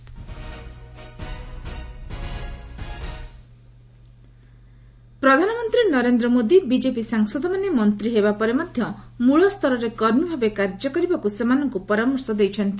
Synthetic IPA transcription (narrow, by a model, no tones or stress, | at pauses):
pɾɔd̪ʱanɔmɔnt̪ɾinɔɾend̪ɾɔmod̪ibid͡ʒepisaŋsɔd̪ɔmanemɔnt̪ɾiɦeβapɔɾemad̪ʱjɔmuɭɔst̪ʰɔɾɔɾekɔɾmibʱabekaɾd͡ʒɔkɔɾibakusemanɔŋkupɔɾamɔɾsɔd̪ejt͡ʃʰɔnt̪i